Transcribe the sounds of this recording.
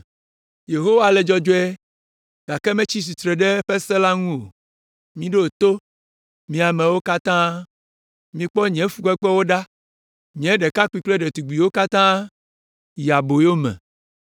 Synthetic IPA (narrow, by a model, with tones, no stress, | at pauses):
je˨ɦo˦wa˦˨lɛ˨d͡ʒɔ˦d͡ʒo˦ɛ˦ | ɡ̥a˨kɛ˦mɛ̃˦t͡ɕi˦s̬i˨t̪ɾɛ˨ɖɛ˦ɸe˦sɛ˦la˦ŋũ˦o˨ | mĩ˦ɖe˦o˨t̪o˦ | mĩ˨a˨mɛ̃˨wo˦ka˦t̪ã˦ | mĩ˨k͡pɔ˦ɲɛ̃˦fu˨kɛ˦k͡pɛ˦wo˦ɖa˦ | ɲ˨ɛ̃˦ɖɛ˨ka˦ku˦i˦kle˦ɖɛ˨t̪u˨ɡ͡bi˨wo˦ka˦t̪ã˦ | ja˨bo˨jo˦mɛ̰̃˨